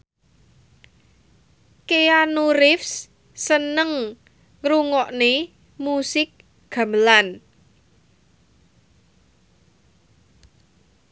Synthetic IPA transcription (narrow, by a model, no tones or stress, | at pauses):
keanuɾɪfs | sənəŋ | ŋɾuŋɔʔne | musɪk̚ | ɡ̥a̤məlan